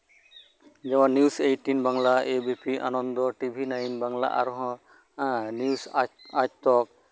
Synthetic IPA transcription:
d͡ʒɛwanːisejʈinbaŋlaebipiʔa̰nɔnd̪ɔʈibʱinajnbaŋla̰ʔa̰ɾɦɔ̃ | nusatt̪ɔk

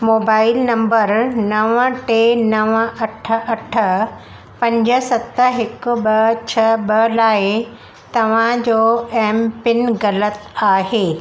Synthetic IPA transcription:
moːbaːɪlnɐ̃mbəɾnɐʋəʈeːnɐʋəɐʈʰə̆ɐʈʰə̆ | pɐ̃ɲd͡ʑə̆sɐt̪əɦɪkʊ̆ɓɐt͡ɕʰɐɓɐlaːɪ | t̪ɐʋ̤ãd͡ʑoːɛːmpɪnɣɐlət̪aːɦeː

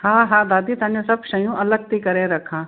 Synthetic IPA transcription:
ɦãːɦãːd̪aːd̪it̪ɐ̃nẽsɐbʃɐjũʔɐləɡ̚t̪ikɐɾeɾɐkʰãː

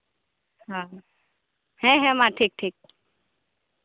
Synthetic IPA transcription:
ɦã | hɛ̃ɦɛ̃mãʈʰiːk̚ʈʰiːk̚

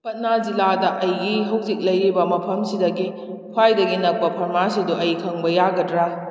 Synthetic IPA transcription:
pɐt̚nad͡ʒiladɐʔɐjɡiɦɐwzik̚lɐjɾibɐmɐpʰɐmsidɐɡi | pʰwajdɐɡinɐk̚pɐpʰɐɾmasiduɐjkʰɐŋbɐjaɡɐdɾa

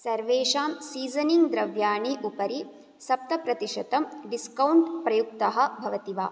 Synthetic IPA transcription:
sɐɾʋeːʂaːmsiːzɐniŋɡd̪ɾɐʋjaːɳiʔupɐɾi | sɐp̚t̪ɐpɾɐt̪iʃɐt̪ɐmɖiskɐwɳʈpɾɐjuk̚t̪ɐɦɐ̆bʱɐʋɐt̪iʋa̰ː

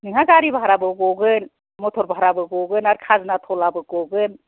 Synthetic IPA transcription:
niŋaɡaɾibaɦaɾabɯɡɔɡɯn | mɔtʰɔɾbaɦaɾabɯɡɔɡɯnaɾkʰaznatʰɔlabɯɡɔɡɯn

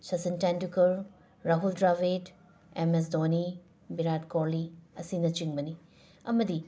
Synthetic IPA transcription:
sɐsintandukɐɾ | ɾaɦuldɾabet | emes̬doni | biɾatkoɾliɐsinɐt͡ʃiŋbɐni | ɐmɐdi

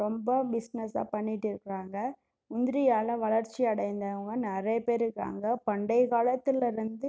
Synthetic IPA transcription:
ɾɔmbɐbɪsnɛsa̰ːpɐɳːɪʈːɪɾɯkːɪɾaːŋɡɐ | ʊnd̪ɪɾɪjaːlɐ̃ʋɐɭɐɾt͡ʃːiɐɽɐɪnd̪ɐʋɐŋɡɐnɐɾɐjɐpeːɾɯkːɾa̰ːŋɡɐpɐɳɖɐɪkaːɭɐt̪ːɪlɐɾɯnd̪ɯ

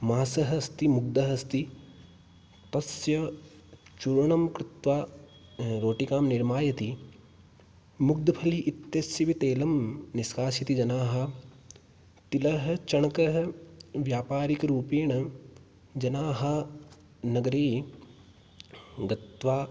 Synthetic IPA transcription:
maːsɐɦɐst̪imuɡ̚d̪ɐɦɐst̪i | t̪ɐsjɐ | t͡ʃuɾɐɳɐmkɾɪt̪ʋaː | ɾoːʈikaːmniɾmaːjɐt̪i | muɡ̚d̪ɐpʰɐliʔːt̪jɐsjɐʋit̪eːlɐmniskaːsjɐt̪id͡ʒɐnaːɦɐ̆ | t̪ilɐɦɐt͡ʃɐɳkɐɦɐʋjaːpaːɾikɾuːpeːɳɐ | d͡ʒɐnaːɦɐ | nɐɡɐɾeː | ɡɐt̪ʋaː

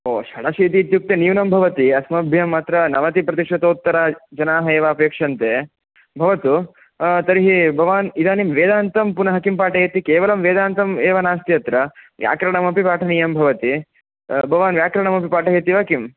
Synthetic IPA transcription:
oːʃɐɽɐʃiːt̪iːt̪juk̚t̪enijuwnɐmbʱɐʋɐt̪iɐsmɐbʱjɐmɐt̪ɾɐnɐʋɐt̪ipɾɐt̪iʂʋɐt̪oːt̪ːɐɾad͡ʒɐnaːɦɐeːʋaːpjɐkʂɐnt̪e | bʱɐʋɐt̪u | t̪ɐɾiɦibʱɐʋaːnid̪aːnimʋeːd̪aːnt̪ɐmpunɐɦɐkimpaːʈɐɦeːt̪ikeːʋɐlɐmʋeːd̪aːnt̪ɐmeːʋɐnaːst̪ijɐt̪ɾɐʋja̰ːkɾɐɳɐmɐpipaːʈʰɐnijɐmbʱɐʋɐt̪i | bʱɐʋaːnʋjaːkɾɐɳɐmɐpipaːʈɐɦeːt̪iʋɐkim

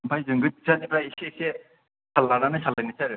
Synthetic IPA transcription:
pʰajzɯŋɡɯt̚satipɾaisese | sʰalaɾanɯsʰalːajnɯsaɾɯ

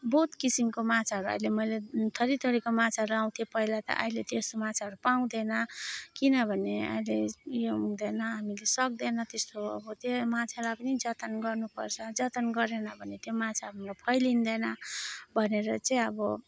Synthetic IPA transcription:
bout̪kisimkomat͡sʰaɦʌɾuʌ̰jlemʌjlet̪ʰʌɾit̪ʌɾikomat͡sʰaɦʌɾuaw̃t̪ʰiepʌilat̪ʌ̰ʔa̰ilet̪est̪omat͡sʰaɦʌɾupaw̃d̪enʌkinʌbʱʌneʌ̰jlejod̪enʌɦamilesʌk̚d̪enʌt̪est̪oʌ̰bʌt̪jemat͡sʰalapʌnid͡zʌt̪ʌnɡʌrnupʌ̰rt͡sʰʌd͡zʌt̪ʌnɡʌɾenʌbʱʌnet̪jomat͡sʰaɾumlapʰʌjlind̪enʌbʱʌneɾʌt͡sʌ̃ĩʌbʌ

